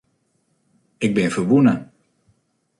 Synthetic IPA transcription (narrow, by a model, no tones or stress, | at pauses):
ɪɡ̚bɪnvərʋunə